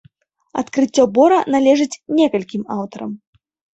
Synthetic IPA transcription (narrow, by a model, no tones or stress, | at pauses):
ɐ̰t̪kɾɨt͡sʲːɔbɔɾɐnalʲɛʐɨt͡sʲnʲɛkɐlʲkʲimawt̪ɐɾɐ̰m